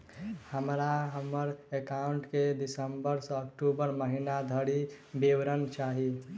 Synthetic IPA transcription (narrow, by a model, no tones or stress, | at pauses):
həmɾaɦəməɾekaʊɳʈkeɖisəmbəɾsəːkʈubəɾməɦinad̪ʱəɽi | biwɾənt͡ʃaɦi